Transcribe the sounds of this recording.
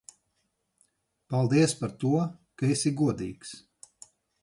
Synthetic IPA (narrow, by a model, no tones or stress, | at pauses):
palˠd̪iɛspaɾt̪uɔkaesiɡuɔd̪ḭːks